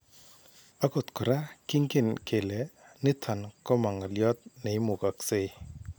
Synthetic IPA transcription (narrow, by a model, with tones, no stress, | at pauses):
a˦ko˨t̪kɔ˨ɾa˦ki˦ŋkɪ˨nkʰe˨lɛ˨ | nɪ˦t̪ʰa˨nkɔ˦ma˨ŋa˨ljɔ˦t̪̚ne˨ɪ˦mʊ˨ka˨kse˦